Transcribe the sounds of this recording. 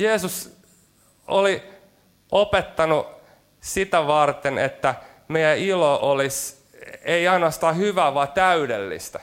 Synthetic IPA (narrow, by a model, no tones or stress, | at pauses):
jeːsus | oli | ʔopet̪ːɑnu | sit̪æʋɑrt̪enet̪ːæ | mejæiloʔolis | eiɑinɑst̪ɑːhyʋæːʋɑːt̪æydelːḭst̪æ